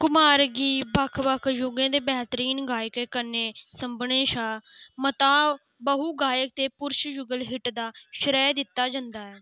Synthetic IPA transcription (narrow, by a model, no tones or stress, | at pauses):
kʊmaːɾɡiːbəkʰbəkʰjʊɡẽːd̪eːbɛːt̪əɾiːnɡaːjəkɛːkəɾneːsəmbɳẽːʃaːmət̪aː | bəɦuːɡaːjək̚t̪eːpʊɾʃjʊɡəlɦɪʈd̪aːʃɾɛːd̪ɪt̪ːaːd͡ʒə̃nd̪aːɛː